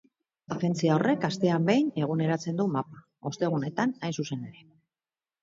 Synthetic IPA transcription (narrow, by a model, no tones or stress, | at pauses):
afe̞nt͡siaorʔe̞kast̪e̞ambe̞jne̞ɣ̞une̞ɾat͡se̞nd̪umapa | o̞st̪e̞ɣ̞une̞t̪anajnsuse̞ne̞ɾe̞